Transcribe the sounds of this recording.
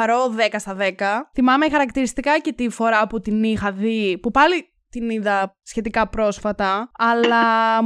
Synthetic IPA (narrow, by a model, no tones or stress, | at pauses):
ɐɾoðekɐst̪ɐðe̞kɐθimɐme̞xɐɾɐkt̪iɾist̪ikɐce̞t̪ifo̞ɾɐput̪inixɐðipupɐli | t̪iniðɐsçe̞t̪ikɐpɾo̞sfɐt̪ɐːlɐ